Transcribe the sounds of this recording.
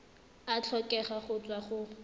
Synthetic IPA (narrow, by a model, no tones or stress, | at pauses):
at͡ɬʰɔkʼɛχaχʊt͡sʼwaχʊ